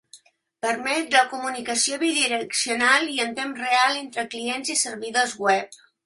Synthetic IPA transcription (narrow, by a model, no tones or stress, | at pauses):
pəɾmɛt̪ləkumunikəsioβiðiɾəksiunalˠiənt̪emrealˠent̪ɾəklienzisərβiðozɣwɛp̚